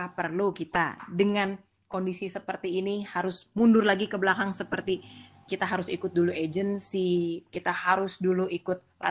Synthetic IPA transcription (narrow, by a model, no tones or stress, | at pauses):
apərlukit̪a̰dəŋan | kondisisəpərt̪iːnihaɾʊsmundʊrlaɡikəbəlakaŋsəpərt̪ikit̪aɦaɾʊsikʊt̪̚dulued͡ʒənsikit̪ahaɾʊsduluikʊt̪̚la̰